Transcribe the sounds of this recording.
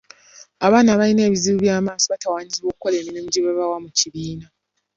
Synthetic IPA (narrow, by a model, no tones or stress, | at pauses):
aβaːnaβaine̞ːβiziβuβjaːmaːsoβatawaːɲiziβo̞ːkukoleːminemuɟeβaβawamuciβiːna